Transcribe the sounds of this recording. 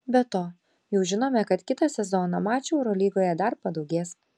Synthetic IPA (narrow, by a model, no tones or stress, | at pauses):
bʲɛt̪oː | jɛʊʒʲɪnoːmʲɛkɐt̪kʲɪt̪ɐsʲɛzoːnɑmɑːt͡ʃʲʊɛʊɾoːlʲiːɡoːjɛd̪ɐɾpɐd̪ɒʊɡʲeːs